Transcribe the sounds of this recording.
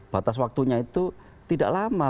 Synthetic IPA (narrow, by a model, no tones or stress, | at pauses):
b̥a̤t̪aswak̚t̪uɲait̪u | t̪ida̰ʔlama